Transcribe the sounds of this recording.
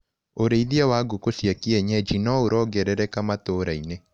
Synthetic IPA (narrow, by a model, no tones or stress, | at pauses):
oɾeiðiawaɡokosjakiɛɲɛd͡ʒinɔoɾɔɡɛɾɛɾɛkamatoɾaine